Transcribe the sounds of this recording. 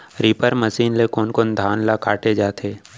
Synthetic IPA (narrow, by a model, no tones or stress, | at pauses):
ɾiːpəɾməsiːnlekoːnkoːnd̪ʱaːnlakaːʈed͡ʒaːt̪ʰeː